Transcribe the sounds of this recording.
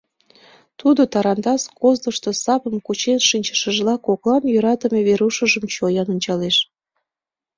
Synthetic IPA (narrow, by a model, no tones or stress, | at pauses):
t̪ud̪ot̪ɑɾɑnd̪ɑskozd̪oʃt̪osɑpəmkut͡ɕenʃinʲt͡ɕə̥ʃəʒlɑkoklɑnjøɾɑt̪əmeβeɾuʃəʒəmt͡ɕojɑnunʲt͡ɕɑleʃ